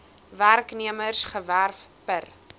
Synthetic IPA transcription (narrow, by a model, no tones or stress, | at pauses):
værkniəmərsχəværfpər